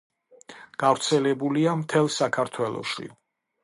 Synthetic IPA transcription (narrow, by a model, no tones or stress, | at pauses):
ɡ̥avɾt̪sʰɛlɛbuliamt̪ʰɛlˠsakʰaɾt̪ʰwɛlˠɔ̰ʃḭ